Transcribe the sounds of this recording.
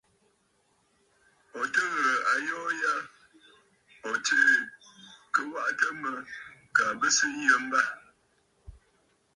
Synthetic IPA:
ɔ˨tə˦ɣə˨a˨jɔː˦ja˦ | ɔ˨tə˦ | kə˨wa˦ʔtə˦mə˨ka˨bə˦sɨ˦jə˦m˦ba˦

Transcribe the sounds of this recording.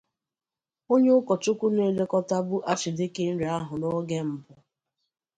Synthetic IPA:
o˦ɲe˦ʊ˦kɔ˨t͡ʃʊ˦kʷu˦ne˦le˦kɔ˦ta˦bʊ˦ʔa˦t͡ʃi˨de˦ke˦n̩˦ɾe˨a˦ɦʊ˨nɔ˦ɡe˦m̩˨bʊ˨

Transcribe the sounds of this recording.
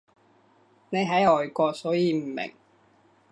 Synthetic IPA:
ne˨˧jɦɐ˨˥jɔː˨jkɔː˧k̚sɔː˨˥jiː˨˧m̩ː˨˩mḛ˨˩ŋ

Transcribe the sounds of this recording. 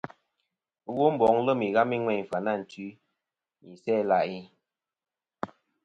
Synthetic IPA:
ɣo˦m̩˦bɔ˨˦ŋlə˦mi˨ɣa˦mi˦ŋwɛ˦˨fa˨na˦˨n̩˨ti˨˦ | mi˨sɛ˦la˨ʔi˦

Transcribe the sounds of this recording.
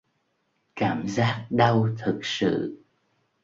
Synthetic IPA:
kaː˧˩mzaː˦˥k̚ɗə˧wt̪ʰɨ˨˩k̚sɨ̰˧˨

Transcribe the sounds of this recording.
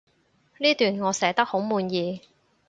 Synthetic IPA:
liː˥t̪yː˨˩nŋɔː˨˧sɛː˨˥t̪ɐ˥k̚ho˨˥wmuː˨˧njiː˨˧

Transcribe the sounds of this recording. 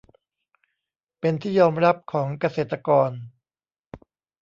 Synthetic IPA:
pe˧nt̪ʰiː˥˩jɔː˧mɾa˦˥p̚kʰɔː˩˦ŋka˧seː˨˩t̪ːa˧kɔː˧n

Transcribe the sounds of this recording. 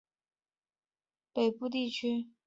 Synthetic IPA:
pe˨˩ɪpu˥˧t̪̬i˥˩t͡ɕʰy˥

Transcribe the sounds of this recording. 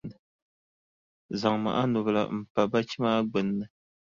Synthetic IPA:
ɨ˨ | za˨ŋma̰˨ʔa˦nʊ˨βɨ˨la̰˨m̩˨pa˨ba˦t͡ʃi˦maː˦ɡ͡bɨ˨nːɨ˦

